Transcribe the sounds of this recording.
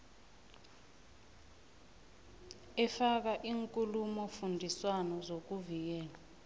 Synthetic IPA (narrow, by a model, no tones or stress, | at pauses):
ɛfak̬aʔiːŋkʼulumɔfundʱiswanɔzok̬uvik̬ɛːla